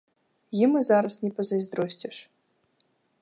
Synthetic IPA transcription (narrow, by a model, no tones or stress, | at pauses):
jimɨzaɾɐsnʲɛpɐzɐjzd̪ɾɔsʲt͡sʲɛʂ